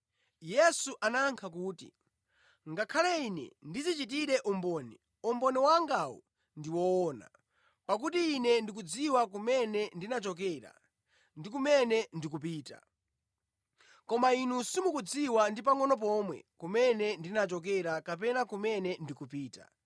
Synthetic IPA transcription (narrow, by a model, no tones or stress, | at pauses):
jɛsuʔanaŋkʰakuːtḭ | ŋɡakʰalainɛ̰ndizit͡ʃit̬iɾɛʔumbɔnɛ | ɔmbɔnɛwaŋɡawɔ̰ | ndiwɔːna̰ | pak̬utiːnɛndik̬ud͡ziwak̬umɛnɛndinat͡ʃɔk̬ɛɾa̰ | ndikumɛnɛndik̬up̬iːta̰ | kɔmainusimukud͡ziwandip̬aŋɔnɔp̬ɔmwɛ̰kumɛnɛndinat͡ʃɔk̬ɛɾakapɛnakumɛnɛndikup̬iːta̰